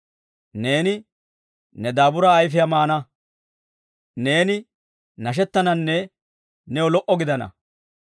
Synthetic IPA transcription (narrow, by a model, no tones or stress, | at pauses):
ne̞ːnɪ | nɛd̪aːbʊɾaːjfɪjamaːnɐ | ne̞ːnɪ | nɐʃ̬ɛt̪ːɐnɐnːɛ | nɛwɔlɔʔɔɡɪd̪ɐnɐ̰